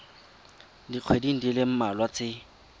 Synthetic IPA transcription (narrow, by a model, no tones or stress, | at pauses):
diq͡χʰwediŋ̩dilɪm̩malwat͡sɪ